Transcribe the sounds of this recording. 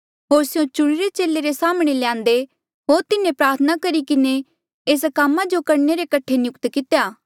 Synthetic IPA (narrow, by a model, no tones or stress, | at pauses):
ɦoːɾsijõt͡ʃʊɽ̃iɾet͡ʃeːlːeɾesaːmɽ̃eljãːnd̪e | ɦoːɾt̪ɪnẽpɾaːɾt̪ʰənakɐɾikɪne | eːs̬kamːãd͡ʒokɐɾneɾekɐʈʰːenjʊkt̪kɪt̪ejaː